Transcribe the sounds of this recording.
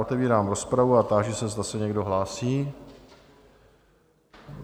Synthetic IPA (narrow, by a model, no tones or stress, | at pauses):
ʔot̪ɛviːɾaːmɾo̞spɾavuat̪aʒɛsɛzd̪asɛɲɛɡdo̞ɦlaːsiː